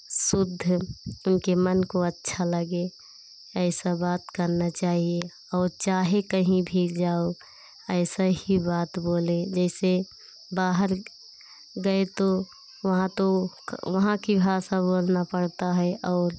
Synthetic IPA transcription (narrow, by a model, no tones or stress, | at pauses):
sʊd̪ʱːʊnkemənkoətːʃʰaləɡe | əɪsãbaːt̪kəɾnat͡ʃaːɦie | ɔːɾt͡ʃaːɦekəɦĩbʱiːld͡ʒaːo | əɪsəhibaːt̪boːled͡ʒɛːse | baːɦəɾ | ɡəet̪o | ʋəɦãt̪o | ʋəɦãkibʱasãboːlnapəɽt̪aɦɛʔɔːɾ